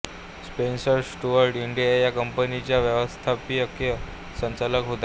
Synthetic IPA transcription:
spensəɾsʈuʋəɾɖiɳɖijajakəmpənit͡ɕjaʋjəʋəst̪ʰapiəkjə | səɲt͡saləkɦot̪a

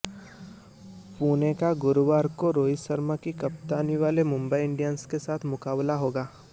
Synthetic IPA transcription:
puːnekaɡʊɾuʋaːɾkoɾoːisəɾmakikɐp̚t̪aːniʋaːlemʊ̃mbəiɪ̃ɳɖijanskesaːt̪ʰmʊkaːblaɦoːɡaː

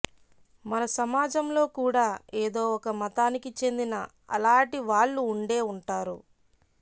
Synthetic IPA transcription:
mɐnɐsɐmaːd͡ʒɐmlo̞ːkuːɽaːeːd̪o̞ːɔkɐmɐt̪aːnikit͡ʃe̞nd̪inɐ | ɐ̰laːʈiʋaːɭːuːɳɖe̞ːuɳʈaːɾu

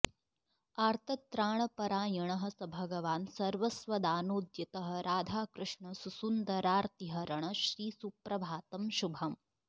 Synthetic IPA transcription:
aːɾt̪ʰɐt̪ɾaːɳ̃ɐpɐɾaːjɐɳɐɦɐ̆sɐbʱɐɡɐʋaːnsɐɾʋɐsʋɐd̪aːnoːd̪jɐt̪ɐɦɐ̆ɾaːd̪ʱaːkɾɨʂɳɐsusund̪ɐɾaːɾt̪iɦɐɾɐɳ̃ɐʃɾiːsupɾɐbʱaːt̪ɐmʃubʱɐm

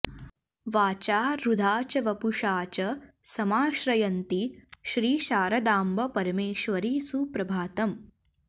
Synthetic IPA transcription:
ʋaːt͡ʃaːɾud̪ʱaːt͡ʃɐʋɐpuʂaːt͡ʃɐsɐmaːʃɾɐjɐnt̪iʃɾiːʃaːɾɐd̪aːmbɐpɐɾɐmeːʃʋɐɾiːsupɾɐbʱaːt̪ɐm

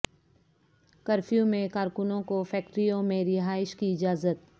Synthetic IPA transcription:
kɐɾfjũmẽkaːɾkʊnõkofʰɛːk̚ʈɾijõmẽɾɪɦaːɪʃkiɪd͡ʒaːzət̪̚

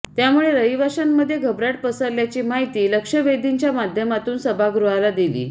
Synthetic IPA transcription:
t̪jamuɭeɾəɦiʋaɕanːəd̪ʱːjeɡʱəbɾaʈ̚pəsəɾljat͡ɕiːmaɦit̪iːləkʂəʋed̪iɲt͡ɕjamad̪ʱjəmat̪uːnsəbʱaɡɾuɦalad̪ilḭː

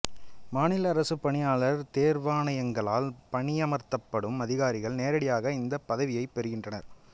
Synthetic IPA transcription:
maːnɪlɐːɾɐsɯpːɐɳɪjaːɭɐɾt̪eːɾʋaːnɐjɐŋɡɐɭa̰ːlpɐɳɪjɐmɐɾt̪ɐpːɐɽɯmɐðɪɣaːɾɪɣɐɭneːɾɐɽɪjaːɣɐɪnd̪ɐpːɐðɐʋɪjɐɪpːɛɾɯɣɪndrɐnɐ̰ɾ

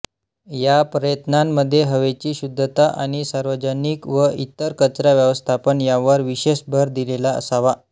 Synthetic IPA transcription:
japɾəjət̪namːəd̪ʱːjeɦəʋet͡ɕiːɕud̪ʱːət̪aʔaɽ̃isaɾʋəd͡ʑəniːkʋəʔit̪ːəɾkət͡sɾaʋjəʋəst̪ʰapəɳjaʋəɾʋiɕeɕbʱəɾd̪ilelaə̰saʋa

